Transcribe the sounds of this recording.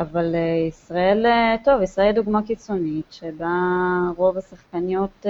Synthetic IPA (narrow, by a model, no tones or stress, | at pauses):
avaleisʁae̞lto̞visʁaelduɡmakit͡so̞nitʃebaʁo̞vasaχkanijo̞t